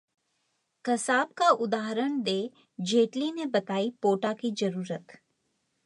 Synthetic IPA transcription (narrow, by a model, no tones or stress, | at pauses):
kɐsaːbkaʔʊd̪aːɦɾəɳ̃d̪eː | d͡ʒeːʈlinebɐt̪aːipoːʈakizɐɾuːɾət̪